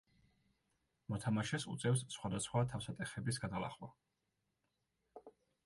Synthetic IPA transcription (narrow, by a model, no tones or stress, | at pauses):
mɔt̪ʰamaʃɛsṵt̪sʼɛfssχwad̪asχwat̪ʰafsat̪ʼɛχɛbisɡad̪alˠa̰χwa